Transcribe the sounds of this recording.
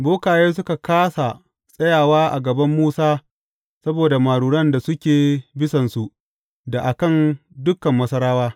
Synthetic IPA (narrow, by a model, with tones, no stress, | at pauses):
boː˦kaː˨jeː˦s̬ʊ˦ka˨kaː˦sa˨ | sʼɐ˦jaː˨waː˦ʔa̰˨ɡɐ˨bɐ˦mːuː˦saː˦ | sɐ˦boː˨da˨maː˨ɽuː˨ɽɐ˦nda˨sʊ˦kʲeː˨bɪ˦sɐ˨nsu˨ʔ | da˨ʔa˨kɐ˦˨ndʊ˦kːɐ˨mːɐ˦sɐ˦ɾaː˦waː˦